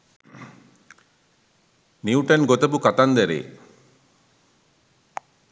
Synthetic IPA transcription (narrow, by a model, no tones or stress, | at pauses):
niuʈɐnɡot̪ɐbukat̪and̪ɛɾḛː